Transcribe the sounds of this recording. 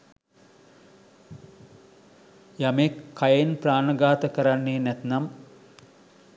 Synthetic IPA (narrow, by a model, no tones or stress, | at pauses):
jamekʰːajenpraːnəɡaːt̪əkəɾanːeːnɛt̪nam